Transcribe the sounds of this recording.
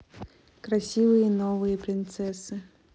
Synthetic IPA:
kɾɐsʲivɨjənovɨjəpɾʲɪnt̪sɛsɨ

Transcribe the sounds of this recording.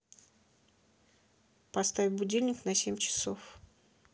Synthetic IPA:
pɐst̪avʲɪbʊdʲilʲnʲɪknɐsʲemʲt͡ɕɪ̥sof

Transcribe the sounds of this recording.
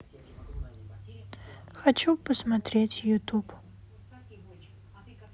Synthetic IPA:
xɐt͡ʃʰupʰɐsmɐtʰretʰʲjutʰup

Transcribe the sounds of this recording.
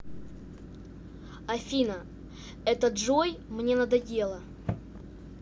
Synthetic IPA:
ɐfʲinə | ɛt̪əʐojmnʲe̞nɐd̪ɐdʲe̞lˠə

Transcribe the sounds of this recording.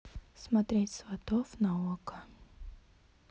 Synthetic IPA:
smɐt̪ɾʲetʲsvɐt̪ɔfnɐɔkə

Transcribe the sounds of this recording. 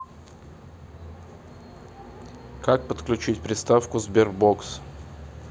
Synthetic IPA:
kak̚pət̪klʲʉt͡ɕitʲpɾʲɪst̪afkʊzbʲerɡboks

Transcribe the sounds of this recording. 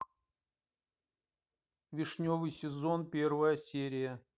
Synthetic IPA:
vʲɪʂnʲovɨjsʲɪzo̞npʲe̞rvəjəsʲeɾʲɪjə

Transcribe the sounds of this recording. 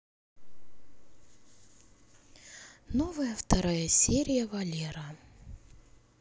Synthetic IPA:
novəjəft̪ɐɾajəsʲeɾʲɪjəvɐlʲeɾɐ

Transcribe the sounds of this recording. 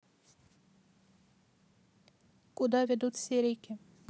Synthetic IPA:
kʊd̪ɑvʲɛd̪ut̪sʲeɾʲekʲɪ

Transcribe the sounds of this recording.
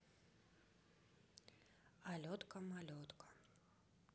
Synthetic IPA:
alʲɔt̪kɐmalʲɔt̪kʰɐ̥

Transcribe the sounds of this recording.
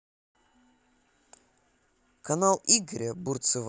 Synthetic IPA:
kɐnalˠiɡɾʲəburt̪sɨv

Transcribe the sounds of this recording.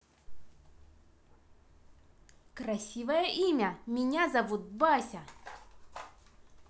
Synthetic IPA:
kɾɐsʲivəjəʔimʲɐmʲɪnʲazɐvut̪̚basʲɐ

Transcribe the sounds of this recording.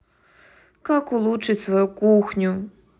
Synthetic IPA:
kakulˠut͡ʂɨtʲsvɔjukuxnʲu

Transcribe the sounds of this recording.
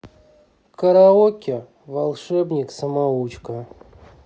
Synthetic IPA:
kəɾaokʲɪ | valˠʂɛbnʲiksəmaut͡ɕkə

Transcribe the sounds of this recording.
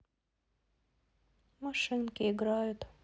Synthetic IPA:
mɐʂɨnkʲɪɪɡɾajʊt̪

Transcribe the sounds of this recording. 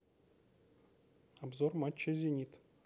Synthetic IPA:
abzormat͡ɕʲːezʲenʲit̪

